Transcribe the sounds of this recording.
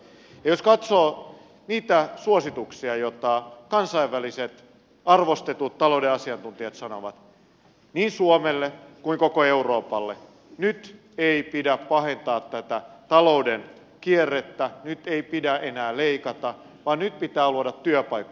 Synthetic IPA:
jɑjoskɑt̪soː | niːt̪æsuosit̪uksiɑjot̪ɑkɑnsɑiʋːæliset̪ | ɑrʋost̪et̪ut̪t̪ːɑloudeɑsiɑnt̪unt̪iɑt̪sɑno̰ʋɑ̰t̪ | niːnsuomelːekuiŋkokoeuroːpɑlːe | nyt̪ | eipidæppɑhent̪ɑːt̪tæt̪æt̪ɑlouden | kierːet̪ːænyt̪eipidæʔenæːleikɑt̪ɑ | ʋɑːnnyt̪̚pit̪æːluodɑt̪ːyøpɑjkːɑ

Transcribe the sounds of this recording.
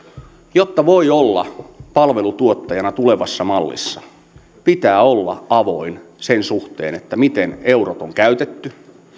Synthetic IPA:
jot̪ːɑʋoiolːɑ̰pɑlʋe̞lut̪uot̪ːɑjɑnɑt̪uleʋɑsːɑmɑlːḭsːɑ | pit̪æːolːɑ̰ɑʋoin | sensuxt̪ḛːnet̪ːæmit̪eneurot̪oŋkæyt̪et̪ːy

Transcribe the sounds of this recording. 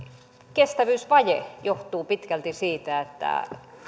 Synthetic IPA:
kest̪æʋyːsʋɑjḛjoht̪uːpit̪kælt̪isiːt̪æet̪ːæ̰

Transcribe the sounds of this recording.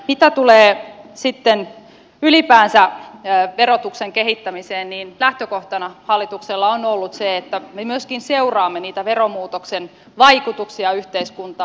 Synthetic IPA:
mit̪æt̪uleːsit̪ːen | ylipæːnsæ | ʋeɾot̪ukseŋkehit̪ːæmiseːnniːnlæht̪økoht̪ɑnɑhɑlːit̪ukselːɑonolːut̪seet̪ːæmemyøskinseurɑːmːeniːt̪æʋeɾomuːt̪oksen | ʋɑikut̪uksiɑyht̪eiskunt̪ɑː

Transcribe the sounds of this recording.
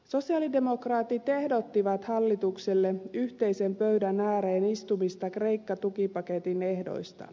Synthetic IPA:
so̞siɑlidemo̞krɑːt̪ːˑit̪e̞hdo̞t̪ːiʋɑt̪hɑlːit̪ukselːe̞yht̪e̞jse̞mpøɥdænæːɾeːnist̪umist̪ɑkre̞jkːɑt̪ukipɑke̞t̪ine̞hdo̞̰jst̪ɑ̰

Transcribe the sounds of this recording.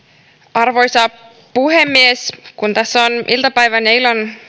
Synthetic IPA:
ɑrʋo̞jsɑː | puhemːieskunt̪æsːonʔilt̪ɑpæjʋæneilon

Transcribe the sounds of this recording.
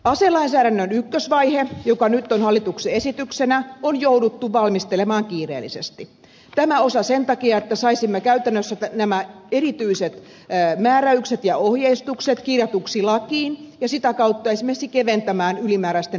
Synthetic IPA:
ɑselɑinsæːɾænːønykːøsʋɑihejokɑnyt̪ːonhɑlːit̪ukseesit̪yksenæonjoudut̪ːuʋɑlmist̪elemɑːŋkiːrḛːlːˑisest̪i | t̪æmæosɑsent̪ɑkiɑet̪ːæsɑisimːekæyt̪ænːøsːæt̪ænæmæerit̪yiset̪ː | mæːɾæykset̪jɑohjeist̪ukset̪kirjɑt̪uksilɑkiːnjɑsit̪ækɑut̪ːɑesimːesikeʋent̪æmæːnylimæːɾæst̪e

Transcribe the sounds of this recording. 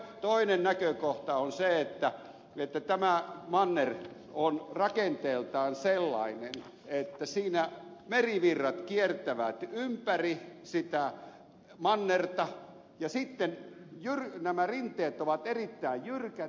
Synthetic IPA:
t̪oinennækøkoht̪ɑonseet̪ːæ | et̪ːæt̪æmæmɑnːer | onrɑkent̪eːlt̪ɑːnselːɑ̰inen | et̪ːæsiːnæmeriʋirːɑt̪kiert̪æʋæt̪ympærisit̪æ | mɑnːert̪ɑ | jɑsit̪ːenjyrnæmærint̪ˑeːt̪oʋɑt̪erit̪ːæijjyrkæ

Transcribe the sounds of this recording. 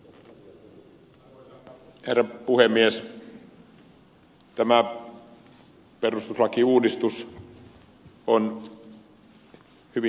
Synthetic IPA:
herːɑpuhemːies | t̪æmæ | perust̪uslɑkiuːdist̪us | on | hyʋi

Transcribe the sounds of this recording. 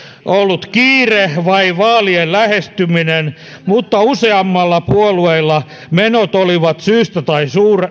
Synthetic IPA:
ʔolːut̪kiːrehʋɑiʋɑːliellæhest̪yminen | mut̪ːɑuseɑmːɑlːɑpuolueilːɑ | menot̪oliʋɑt̪syːst̪æt̪ɑisuːr

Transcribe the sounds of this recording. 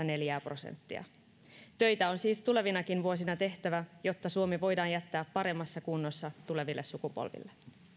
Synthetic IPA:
ɑne̞ljæːpro̞sḛnt̪ːḭɑ̰ | t̪ø̞jt̪æo̞nsiːst̪ule̞ʋinɑkinʋuo̞sinɑt̪e̞ht̪æʋæjo̞t̪ːɑsuomiʋo̞jdɑːnjæt̪ːæːpːɑɾe̞mːɑsːɑkunːosːɑt̪ule̞ʋilːesːukupo̰lʋḭlːe

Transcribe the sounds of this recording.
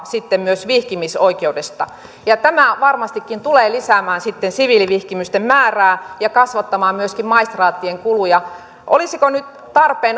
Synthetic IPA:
sit̪ːemmyøsʋihkimisoikeudest̪ɑ̰ | jɑt̪æmæʋɑrmɑst̪ikːint̪uleːlisæmæːnsit̪ːensiʋiliʋihkimyst̪emmæːræːjɑkɑsʋɑt̪ːɑmɑːmmyøskimmɑist̪rɑːt̪ːieŋkulujɑ | ʔo̰lisikonyt̪ | t̪ɑrpeːn

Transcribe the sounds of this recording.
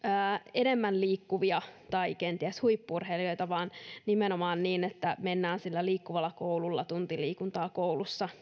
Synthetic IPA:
əːenemːænliːkːuʋiɑt̪ɑikent̪iæshuipːurheliojt̪ɑʋɑːnnimenomɑːnniːnet̪ːæmenːæːnsilːæliːkːuʋɑlːɑkoululːɑ̰t̪unt̪iliːkunt̪ɑːkoulusːɑ

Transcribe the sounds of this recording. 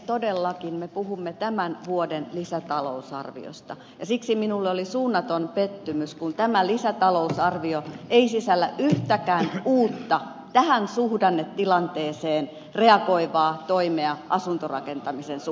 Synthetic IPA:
t̪odelːɑkinmepuhumːet̪æmænʋuodenlisæt̪ɑlo̰usɑ̰rʋḭo̰st̪ɑ | jɑsiksiminulːeolisuːnːɑt̪onpet̪ːymyskunt̪æmælisæt̪ɑlousɑrʋioeisisælːæ̰ʔyht̪ækæːnuːt̪ːɑ | t̪æhænsuhdɑnːet̪tilɑnt̪eːseːn | reɑkoiʋɑːt̪oimeɑʔɑsunt̪orɑ̰kent̪ɑmisens

